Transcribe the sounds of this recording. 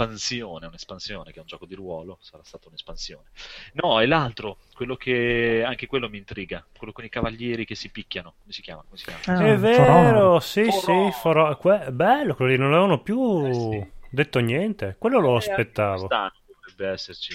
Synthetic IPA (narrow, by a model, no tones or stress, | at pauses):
pansjoːneunespansjoːnekɛund͡ʒɔːkod̪iɾwɔːlosaɾast̪aːt̪aunespansjoːnenɔɛlalt̪ɾo | kwelːokʰeaŋkekwelːomiːnt̪ɾiːɡakwelːokonikavaʎːjɛːɾikesːipikʲːanokomesi̥kʲja̰ːmakomesikʲa̰ːmaɛvːeːɾosisifoɾɔkwebɛlːokwelod̪inonlavevanopju | d̪et̪ːonjɛnt̪ekwelːoloaspet̪ːaːvoaːnoovɾɛbːeɛsːert͡ʃi